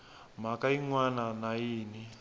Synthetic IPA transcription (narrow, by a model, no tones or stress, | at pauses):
m̤akaiŋwananajiːni